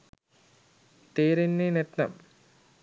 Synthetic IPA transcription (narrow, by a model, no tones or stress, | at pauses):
t̪eːɾenːenet̪nɐ̰m